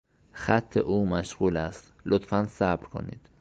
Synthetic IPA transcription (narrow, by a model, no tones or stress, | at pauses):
xæt̪ʰːeʔuːmæʃɣuːlæst̪lot̪fænsæbɾkʰo̰nḭːd̪̥